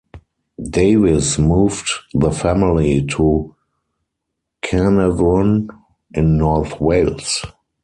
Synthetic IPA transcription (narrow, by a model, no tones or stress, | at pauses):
deɪvɪsmuːvtðəfæmɪlitʰu | kʰænəvɔ̃n | ʔɪ̃nːɔɹθweɪls